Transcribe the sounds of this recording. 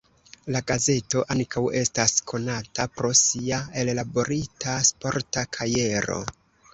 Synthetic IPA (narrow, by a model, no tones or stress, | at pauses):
laɡaze̞to̞ʔankʰawe̞staskʰo̞natapɾo̞siae̞llabo̞ɾitʰaspo̞ɾtakʰaje̞ɾo̞̰